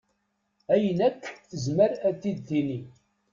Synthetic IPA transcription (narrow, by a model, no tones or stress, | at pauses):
æjənækːəzməɾæt̪ːid̪ːini